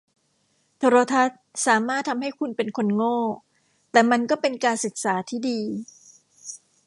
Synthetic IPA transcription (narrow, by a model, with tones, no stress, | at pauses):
t̪ʰoː˧ɾoː˧t̪ʰa˦˥t̪̚saː˩˦maː˥˩t̪ʰːa˧mha˥˩jkʰu˧npe˧nkʰo˧nŋɔː˥˩ | t̪ɛː˨˩ma˧nkɔː˥˩pe˧nkaː˧nsɯ˨˩k̚saː˩˦t̪ʰiː˥˩diː˧